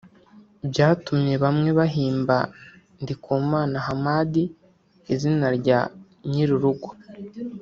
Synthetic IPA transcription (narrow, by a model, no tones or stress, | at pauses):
bɟaːtumɲe̞βamŋe̞βaɦiːmba | ndikʰuːmaːnaɦamaːdi | izinaɾɟa | ɲiɾuɾuɡo̥